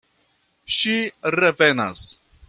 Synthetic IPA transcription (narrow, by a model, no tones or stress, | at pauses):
ʃiɾevena̰s